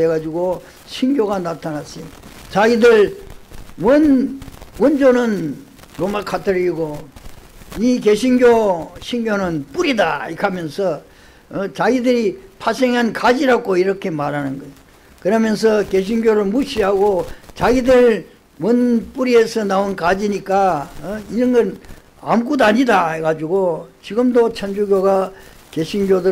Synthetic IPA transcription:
eɡad͡ʑuɡo | ɕʰinɡjoɡanatʰanas͈i | t͡ɕaɡidɯɭ | wʌn | wʌnd͡ʑonɯn | ɾomakʰatʰɯɾiiɡo | ike̞ɕʰinɡjoɕʰiŋɡjonɯnp͈uɾidaikʰamjʌnsʰʌ | t͡ɕaɡidɯɾipʰasʰeŋɦankad͡ʑiɾakoiɾʌkʰe̞maɾɦanɯnɡʌj | kɯɾʌmjʌns̬ʰʌke̞ɕ̬ʰinɡjoɾɯɭmuɕʰiɦaɡot͡ɕaɡidɯɭ | wʌnp͈uɾiesʰʌnaunkad͡ʑiɲik͈aiɾʌnɡʌn | a̰mkudaɲidaeɡad͡ʑuɡot͡ɕiɡɯmdot͡ɕʰʌnd͡ʑuɡjoɡa | ke̞ɕʰinɡjodɯ

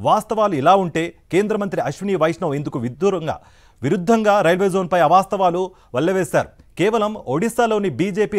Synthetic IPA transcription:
ʋaːst̪ɐʋaːluilaːuɳʈe̞ːke̞ːnd̪ɾɐmɐnt̪ɾiɐʃʋiniːʋɐjʂɳɐʋe̞nd̪ukuʋid̪ːuːɾɐŋɡa̰ː | ʋiɾud̪ʱːɐŋɡaːɾɐjlʋeːzo̞ːnpɐjɐʋaːst̪ɐʋaːlu | ʋɐɭːɐʋeːsa̰ːɾukɛːʋɐlɐmoɽisaːlo̞ːnibiːd͡ʒeːpiː

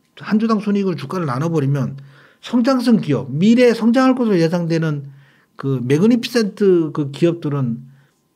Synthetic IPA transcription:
hand͡ʑudaŋsʰuɲiɡɯɭt͡ɕuk͈aɾɯɭnanʌbʌɾimjʌn | sʰʌŋd͡ʑaŋs̬ʰɯŋkiʌp̚miɾe̞sʰʌŋd͡ʑaŋɦaɭk͈osʰɯɾojesʰaŋdwe̞nɯn | kɯme̞ɡɯnipʰi̥s͈ʰe̞ntʰɯkɯkiʌp̚t͈ɯɾɯn

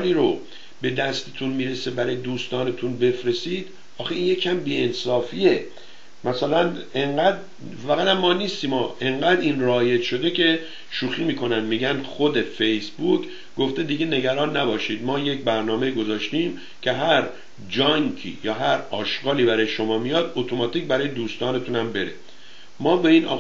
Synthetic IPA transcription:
liːɾo | be̞d̪æst̪et̪ʰunmiːɾesebæɾɒːjed̪uːst̪ɒːnet̪ʰunbe̞fɾe̞siːd̪̥ | ɒːxeiːnje̞cʰæmbiːensɒːfie̞ | mæsælæneŋɢæd̪ | væɣæɾæmːɒːniːst̪iːmɒːʔe̞ŋɢæːd̪inrɒːjet̪ʃo̞d̪ecʰe̞ | ʃuːxiːmiːkʰo̞nænmiːɟænd̪xo̞d̪e̞fejsbuk | ɡo̞ft̪e̞d̪iɟe̞ne̞ɡæɾɒːnːæbɒːʃiːd̪mɒːje̞cbæɾnɒːme̞iːɡo̞zɒːʃt̪iːm | cʰe̞ɦæɾ | d͡ʒɒŋkʰḭːjɒːɦæɾɒːʃɡɒːliːbæɾɒːjeʃo̞mɒːmijɒd̪ot̪ʰomɒːt̪ʰiːcbæɾɒːje̞d̪uːst̪ɒːne̞t̪ʰunæmbe̞ɾe | mɒːbe̞iːnʔɒ

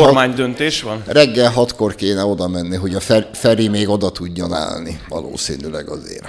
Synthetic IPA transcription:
ormaːɲd̪ønt̪eːʃʋɒnrɛɡːɛlɦɒt̪ko̞rkeːnɛo̞d̪ɒmɛnːiɦo̞ɟɒffɛɾimeːɡo̞d̪ɒt̪uɟːo̞na̰ːlniʋɒ̰lo̰ːsḭːnylɛ̰ɡɒzḛːr

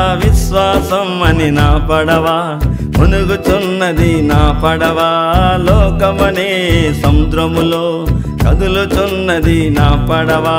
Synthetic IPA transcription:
ʋiʃʋaːsɐmɐninaːpɐɽɐʋaː | ponuɡut͡ʃunːɐd̪inaːpɐɽɐʋaːlɔːkɐmɐneːsɐmd̪ɾɐmuloː | kɐd̪ulut͡ʃunːɐd̪inaːpɐɽɐʋa

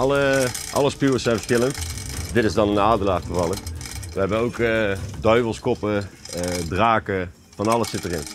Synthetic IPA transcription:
ʔɑləʔɑ̰ləspyːəsɛjnfə̥kɪləntdɪtɪzdɑnənaːdəlaːχχəvɑlˠəʋəɦɛbənowkədœɥvəlˠskɔpə | draːkə | vɑnɑlˠəssɪtərɪ̰n

